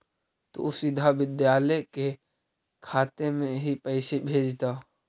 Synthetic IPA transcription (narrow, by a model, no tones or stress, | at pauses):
t̪o̰ʊsɪd̪ʱaʋɪd̪jaːləke | kʰaːt̪emẽɦipəɪsebʱeːd͡ʒt̪a